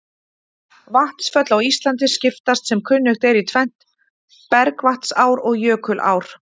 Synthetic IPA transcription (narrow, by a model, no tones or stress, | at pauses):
vaht̪sfœt̪lawist̪lant̪̬ɪscɪft̪ast̪sɛmkʰʏnːʏxt̪ɛɾit̪ʰvɛn̥t̪ | pɛɾkvaht̪saːwɾɔɣjœːkʰʏlʔa̰ːwɾ̥